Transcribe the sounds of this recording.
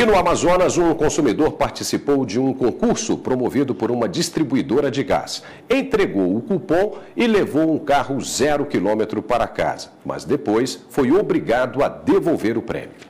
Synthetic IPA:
ɪnʊamazõnɐzũkõsumid̪oɾpaɾt͡ʃisipowd͡ʒɪũkõkuɾsʊpɾomovid̪ʊpoɾũmɐd͡ʒist̪ɾibuid̪oɾɐd͡ʒɪɡa̰s | ẽnt̪ɾeɡowʊkupõw̃ɪlevowũkaɦʊzɛɾʊkilõmet̪ɾʊpaɾɐaka̰z̥ɐ̥mʔɐ̰zd̪epojsfojobɾiɡad̪ʊɐd̪evowveɾʊpɾɛ̰̃mjʊ

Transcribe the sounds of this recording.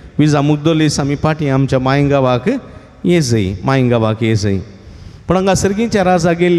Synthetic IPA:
ʋizamuk̚d̪olisɐmipaːʈiamt͡ʃɐmaːjiŋɡaʋaːkɨ | jeːzɐjmaːjiŋɡaʋaːkezɐji | puɽɐŋɡasiɾɡiɲt͡ʃaɾazɐɡel

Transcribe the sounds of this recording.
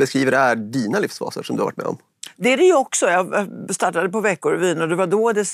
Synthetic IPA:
bɛskɾiːvəɖɛhæɖiːnalɪfsfɑ̰ːsə̰ʂɔmd̪ɵhaɾva̰ʈmɛ̰ɔ̰m | d̪ɛæɾɛjɵɔksɔjɑːst̪ɑːʈːad̪əpɔvɛkːʊɾviːnɔd̪ɛvaɖoːd̪ɛs

